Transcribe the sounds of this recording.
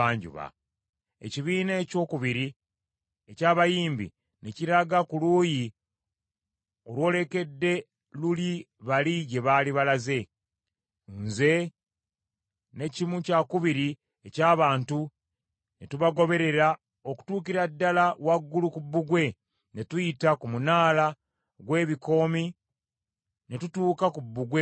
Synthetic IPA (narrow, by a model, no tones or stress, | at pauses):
aːɲɟṵβa̰ | ḛciβiːneːco̞ːkuβiɾi | ecaːβajiːmbḭ | neciɾaɡakuluːji | o̞lwo̞ːle̞ke̞dːe̞ | luli | βaliɟe̞βaːliβalaze̞ | nze̞ | ne̞cimucakuβiɾi | ecaːβaːntu | netuβaɡo̞βe̞ɾe̞ɾa | o̞ku̥tuːkiɾadːalawaɡːulukubːuɡwe̞ | ne̞tujitakumunaːla | ɡwe̞ːβiko̞ːmi | netutuːkakubːuɡwe